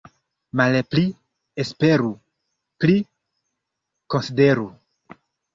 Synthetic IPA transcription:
malepli | espe̞ɾu | pli | ko̞nside̞ɾu

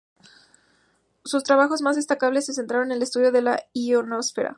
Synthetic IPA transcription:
sust̪ɾaβaxo̞zmazðe̞st̪akaβ̞lesːe̞s̬e̞nt̪ɾaɾo̞nenle̞st̪uðjoðe̞laionosfeɾa̰

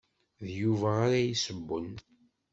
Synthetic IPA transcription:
ðjuvæːɾajisəbːən

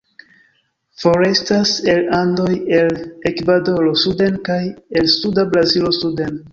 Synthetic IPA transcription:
fo̞ɾe̞stase̞lando̞je̞lekvado̞lo̞sude̞nkaje̞lsudabɾazilo̞suden

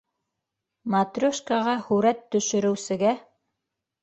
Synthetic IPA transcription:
mat̪rʲoʃkɑʁɑhʉɾæt̪ːɵ̆ʃɵ̆ɾɘ̆wsɘ̆ɡæ

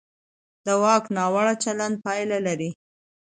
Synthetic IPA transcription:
d̪̥əwɑknɑwaɽat͡ʃaland̪̚pɑjlalaɾi

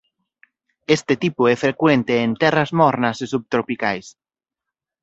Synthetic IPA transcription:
est̪et̪ipʊɛfɾekwent̪eːnt̪ɛrɐzmɔɾnɐsesub̚t̪ɾopikajs

